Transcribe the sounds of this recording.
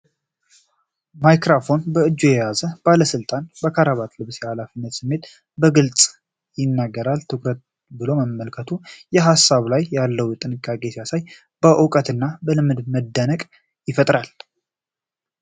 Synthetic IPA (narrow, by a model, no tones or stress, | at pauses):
majkɾafo̞nbəɨd͡ʒːojɛjazəb̥aləsɨlt̪ʼanbəkʰaɾaβat̪lɨβsjɛhalafinːət̪sɨmːe̞t̪ | bəɡɨlt͡sʼ | jɪnːaɡːəɾalt̪ʰɨkɾət̪̚ | bɨlo̞məːəlkʰət̪ʰujɛɦasːaβlajːalːəwjɛt̪ʼɨnɨkʼːakʼesjasaj | b̥əʔɨkʼət̪ɨnːabəlɨmːɨd̪məd̪ːənəkʼ | jɪfət̪ʼɾal